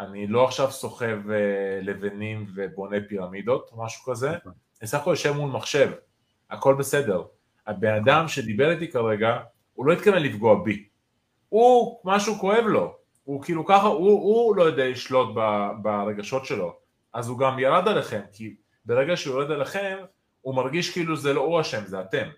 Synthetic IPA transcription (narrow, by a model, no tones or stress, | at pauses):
anilo̞aχʃavso̞χe̞vele̞venimve̞bo̞ne̞piʁamid̪o̞t̪maʃu̥kaze̞ | esaχkojaʃevmulmaχʃe̞v | a̰ko̞lbese̞de̞ʁ | abe̞nad̪amʃe̞d̪ibeʁit̪ikaʁe̞ɡa | ulo̞it̪kavenlifɡoabi | umaʃuko̞e̞vlo̞ | ukiːlukaχaʔuulojod̪eliʃlo̞t̚babaʁe̞ɡaʃo̞tʃe̞lo̞ | ʔazuɡamjalad̪ale̞χe̞mki | be̞ʁeɡaʃejoʁed̪aleχe̞m | umaʁɡiʃkiiːluzelo̞uaʃe̞mzeat̪e̞m